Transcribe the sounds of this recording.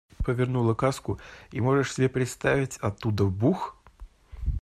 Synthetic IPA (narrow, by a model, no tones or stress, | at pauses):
pəvʲɪrnulˠəkaskʊimo̞ʐɨʂsʲɪbʲepɾʲɪt̪st̪avʲɪtʲɐt̪ːud̪əbux